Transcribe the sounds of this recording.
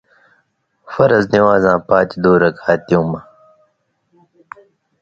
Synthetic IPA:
fɐɾɐzniwaːzãːpaːt͡ɕid̪uːɾɐkʰaːt̪ijũmɐ

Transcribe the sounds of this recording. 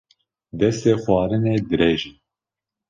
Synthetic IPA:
d̪ɛst̪eːxwɑːɾɨneːd̪ɨɾeːʒi

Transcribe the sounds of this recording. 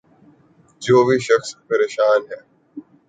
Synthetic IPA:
d͡ʒoːbiːʃəxspəɾeːʃaːnɦɛː

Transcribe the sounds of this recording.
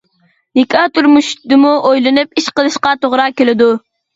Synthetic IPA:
nikʲʰɑt̪ʰuɾmuʃd̪ɨmuʔojlˠɨnɨp̚iʃqəlˠɨʃqɑt̪ʰoʁɾɑkʲelɪd̪u

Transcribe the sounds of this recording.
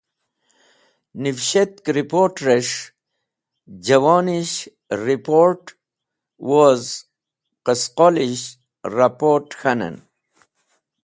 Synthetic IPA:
nifɕet̪kɾipoɾʈɾeʂ | d͡ʑɐwɑːniɕ | ɾipoɾʈ | woz | qəsqoliɕ | ɾapoʈxanə̰n

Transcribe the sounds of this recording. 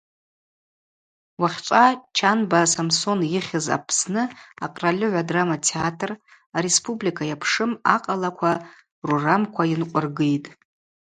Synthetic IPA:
waχʲt͡ʃʷʼat͡ʃʰanbasamso̞njɪχʲɪza̰pʰsnɨaqʼralʲɪʕʷadramatʰeatʰr | aɾe̞spʼublikʰajapʰʂɨma̰qʼalakʷʰa | ruramkʷʰajɪnqʷʼʊrɡɨjtʼ

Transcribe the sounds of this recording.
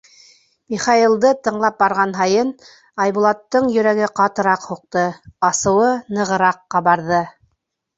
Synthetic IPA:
miχɑilˠd̪ɤt̪ɤ̆ɴlˠɑp̚bɑɾʁɑnɦɑjɤn | ɑjβulˠɑt̪ːɤɴjɵ̆ɾæɡɘqɑt̪ɤ̆ɾɑqhuq̚t̪ɤɑsɤ̆wɤnɤ̆ʁɤ̆ɾɑqːɑβɑɾðɤ

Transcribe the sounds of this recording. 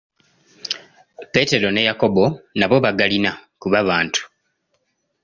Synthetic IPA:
pe̞te̞ɾo̞ne̞jako̞bo̞naβo̞βaɡalinakuβaβaːntʰu̥

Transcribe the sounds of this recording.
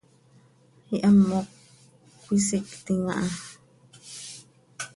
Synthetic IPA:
hiʔamːokːʷ | isikt̪iŋa̰ʔa

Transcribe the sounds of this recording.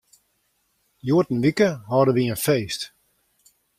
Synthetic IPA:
juətn̩ʋikəɦɔdəʋiənfeːst

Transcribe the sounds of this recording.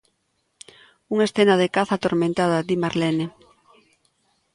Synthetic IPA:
uŋesθenaðekaθat̪oɾmẽnt̪að̞ad̪imaɾlene

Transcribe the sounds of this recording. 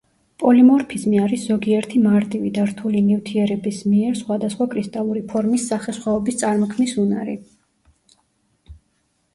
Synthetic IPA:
pʼɔlimɔɾpʰizmiaɾisz̥ɔɡiɛɾt̪ʰimaɾt̪ʼivid̪aɾt̪ʰulinivt̪ʰiɛɾɛbismiɛɾsχwad̪asχwakʼɾist̪ʼalˠuɾipʰɔɾmisːaχɛsχwɛɔbist̪sʼaɾmɔkʰmnisunaɾḭ

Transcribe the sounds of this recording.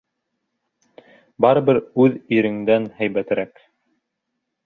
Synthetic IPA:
bɑɾɤ̆βɘɾʉðiɾɘ̆ŋd̪ænhæjbæt̪ɘɾæk

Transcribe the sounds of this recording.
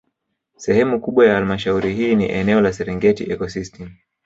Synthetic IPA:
sɛhɛmukuɓwajahalimaʃauɾihiːnḭʔɛnɛɔlasɛɾɛŋɡɛtiʔɛkɔsistʰɛm

